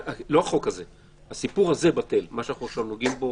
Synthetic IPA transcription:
aloaχo̞kaze | hasipuʁaze̞bate̞lmaʃanaχnuʃomnoɡimbo̞

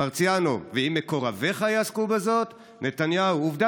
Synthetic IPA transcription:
aʁt͡sjano̞̰veimːeko̞ʁave̞χajaaskubezo̞t̪ | nʔe̞t̪anjauuvd̪a

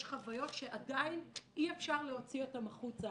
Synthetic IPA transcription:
ʃχavajo̞tʃe̞ʔadainʔiefʃaʁle̞o̞t͡sio̞tamaχut͡sa

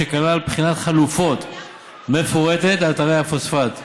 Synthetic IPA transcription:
ekalalpχinat̪χalufo̞t̪ | me̞foʁete̞tataʁejhafosfat̪

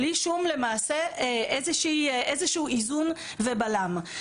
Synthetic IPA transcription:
liʃumle̞maːseʔezeʃiːʔezeʃuːizun | vebalam

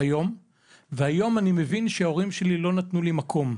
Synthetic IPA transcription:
ajo̞m | veajo̞manime̞vinʃeao̞ʁimʃe̞lilo̞nat̪nulimakʰo̞m

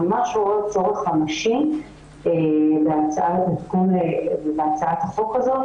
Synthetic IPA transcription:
maʃoʁot͡so̞ʁeχamaʃim | ebeat͡saʔatbet̪ɡunevebeat͡saat̪haχo̞kazo̞

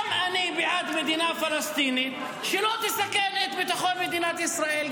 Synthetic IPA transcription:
mʔanibɪʕaːd̪mad̪iːnaːfɑlɑst̪iːni | ʃɪloːt̪ɪsakenet̪bɪt̪axolmad̪iːnat̪ʔɪsɾˤaːʔiːl

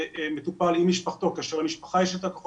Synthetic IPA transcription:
ʔmet̪upalimːiʃpaχt̪o̞kaaʃeamiʃpaχajeʃat̪akaχo

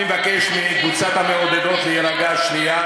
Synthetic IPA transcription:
evakeʃmekvut͡sat̪hameod̪ed̪o̞t̪lejeɾaɡaʃnia

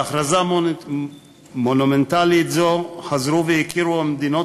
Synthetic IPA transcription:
aχɾaza | monumɛntalitzoχazɾuvɛikiɾuamd̪ino

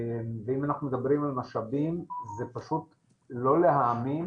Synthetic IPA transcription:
mveimanaχnumed̪abʁimalmaʃabimzepaʃut | lo̞le̞ɦaːmin

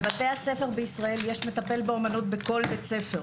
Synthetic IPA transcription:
bate̞hase̞fe̞ʁbeisʁae̞ljeʃme̞t̪ape̞lbeomanut̚beko̞lbet͡se̞fe

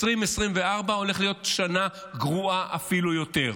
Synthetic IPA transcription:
sʁimesʁimveaʁbao̞le̞χlijo̞tʃana | ɡʁuaʔafilujo̞te̞ʁ

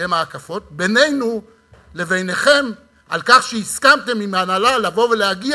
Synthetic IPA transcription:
emaːkafo̞t̚be̞nejnu | le̞ve̞jne̞χe̞m | ʔalkaχʃeiskamte̞mimanalalavo̞ve̞lehaɡi

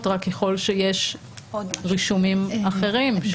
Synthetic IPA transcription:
t̪ʁakːeχo̞lʃejeʃ | ʁiʃumimaχeʁimʃ

